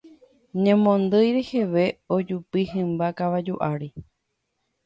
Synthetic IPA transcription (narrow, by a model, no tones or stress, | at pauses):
ɲẽmõnd̪ɨjɾeheʋeod͡ʒupiɦɨ̃mbakaʋad͡ʒuʔaɾi